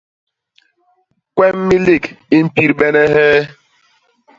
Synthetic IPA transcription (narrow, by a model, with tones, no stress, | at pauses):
kwɛ˦m̩˦mi˦li˦˨ki˦m̩˦pi˦ɾɓɛ˦nɛ˦ɦɛː˦